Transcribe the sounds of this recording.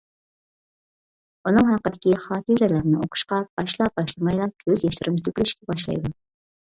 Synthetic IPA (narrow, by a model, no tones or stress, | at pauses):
unɨŋhɑqːəd̪ɪkʲiχɑːt̪ʰiɾɛlæɾnɪoqʰʊ̥ʃqɑb̥ɑʃlˠɑp̚bɑʃlˠɨmɑjlˠɑkʲʰøzjɑʃlɪɾɪmt̪ʰykʲylyʃkʲɛbɑʃlˠɑ̰jd̪u